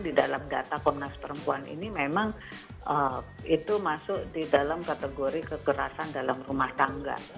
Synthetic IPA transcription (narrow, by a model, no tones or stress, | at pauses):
didalamdat̪akɔmnaspəɾəmpuanḭnimemaŋ | ə | it̪umasʊʔdidalamkat̪əɡoɾikəkəɾasandalamrumaht̪aŋɡa̰